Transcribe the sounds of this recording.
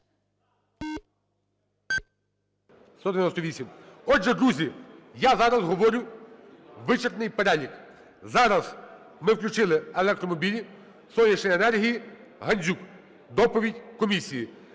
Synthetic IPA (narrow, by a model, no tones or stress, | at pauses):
st̪ɔd̪eʋjnɔst̪ɔʋʲisʲimɔʒɛd̪ɾuzʲijazɑɾɐzɦɔʋɔɾʲʊ | ʋɪt͡ʃert̪nɪjpeɾɛlʲik | zɑɾɐz | mɪwklʲʊt͡ʃɪlˠɪelˠɛk̚t̪ɾɔmɔbʲilʲi | sɔjʲɐʃnejenɛrɦʲiji | ɦɐnʲzʲuk | d̪ɔpɔʋʲidʲkɔmʲisʲiji